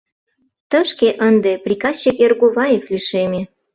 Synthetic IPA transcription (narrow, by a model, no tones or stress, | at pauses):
t̪ə̆ʃkeʔənd̪eprʲikɑst͡ɕekerɣoβɑjefliʃemʲe